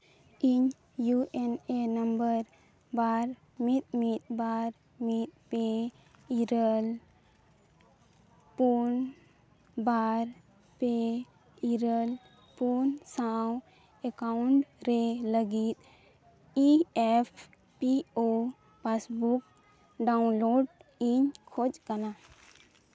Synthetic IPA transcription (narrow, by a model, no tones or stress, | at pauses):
iɲ | juʔenenəmbəɾ | baɾ | mit̪̚mit̪̚baɾ | mit̪̚pe | iɾəl | pun | baɾ | pe | iɾəl | punsaw | ɛkauɳʈɾeləɡit̪̚ | iɛpʰ | pio | pasbuk | ɖaunloɖiɲkʰod͡ʒkana